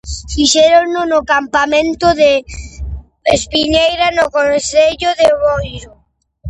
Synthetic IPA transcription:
fiʃeɾonʊnʊkampamẽnt̪ʊðe | espiɲejɾanokonθeʎʊðeβojɾʊ

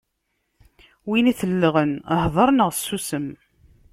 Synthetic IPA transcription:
winiθəlːəʁənhðˤəɾˤnəʁsːusəm

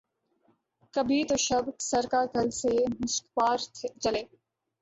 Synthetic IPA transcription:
kɐbʱit̪oʃɐbksɐɾkakɐlsemʊskpaːɾt͡ʃɐleː

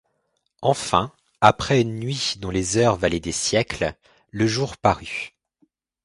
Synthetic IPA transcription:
ɑ̃fɛ̃ | apχɛynːɥid̪ɔ̃lezœʁvalɛd̪esjɛkl | ləʒuʁpaʁy

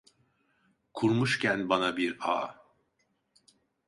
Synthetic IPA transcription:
kʰuɾmuʃcʰænbanabiɾa̰ː

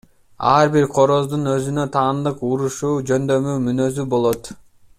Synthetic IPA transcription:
ɑɾbiɾqʰo̞ɾo̞zd̪unø̞zynø̞t̪ʰɑːnd̪ɯquɾuʃuːd͡ʒø̞nd̪ø̞myːmynø̞zybo̞lˠo̞t̪

